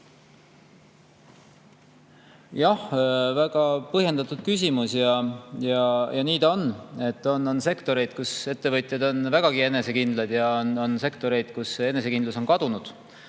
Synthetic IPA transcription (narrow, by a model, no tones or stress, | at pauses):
jɑhvæɡ̥ɑpɤhje̞nd̪ɑt̪ˑud̪̥̚kys̬ʲimusjɑjɑjɑniːd̪̥o̞nːe̞t̪ːˑononse̞kt̪o̞ɾe̞jd̪̥̚kuse̞t̪ːe̞vɤt̪ʲˑjɑd̪̥o̞nvæɡ̥ɑɡ̥ie̞ne̞se̞kind̪lɑd̪̥jɑonse̞kt̪o̞ɾe̞jd̪̥kuse̞ne̞s̬e̞kind̪luso̞nkɑd̪̥unud̪̥